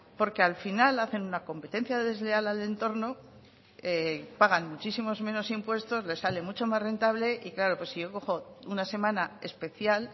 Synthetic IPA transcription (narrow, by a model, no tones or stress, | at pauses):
po̞ɾke̞alfinalaθe̞nunako̞mpe̞t̪e̞nθjaðe̞zle̞alale̞nt̪o̞ɾno̞ | epaɣ̞anmut͡ʃisimo̞zmẽ̞no̞simpwe̞st̪o̞zle̞sale̞mut͡ʃo̞mazre̞nt̪aβ̞le̞ʔiklaɾo̞pwo̞siʝo̞ko̞xo̞unase̞mãnae̞spe̞θjal